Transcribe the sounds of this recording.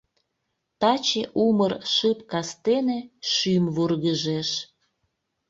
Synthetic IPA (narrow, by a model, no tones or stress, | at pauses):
t̪ɑt͡ɕeʔumərʃɨpkɑst̪eneʃymvurɣəʒeʃ